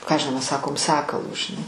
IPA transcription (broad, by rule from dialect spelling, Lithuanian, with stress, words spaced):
ˈkɑː ɐʃ ʒʲɪˈnɐʊ ˈmʲɛs ˈsɑːkoːm ˈsɑːkɐlˠʊ ʒʲɪˈnɐɪ